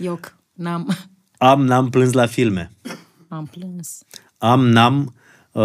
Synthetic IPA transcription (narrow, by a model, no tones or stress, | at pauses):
jok | nam | amnamplɨns̬lafilme | amplɨns | amnam